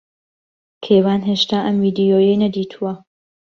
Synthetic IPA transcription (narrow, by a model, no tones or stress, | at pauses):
kʰeːwaːnɦeːʃt̪aːʔɐmviːd̪ijoːjejnɐd̪iːt̪ʰuwɐ